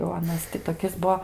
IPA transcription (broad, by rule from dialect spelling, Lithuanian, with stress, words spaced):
jɛʊ ɐˈnɐs tʲɪ toːˈkʲɪs ˈbuɔ